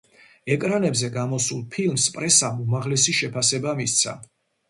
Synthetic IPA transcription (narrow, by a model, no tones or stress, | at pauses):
ɛkʼɾanɛbzɛɡamɔsulˠpʰilˠmspʼɾɛsamumaʁlɛsiʃɛpʰasɛbamist̪sʰa̰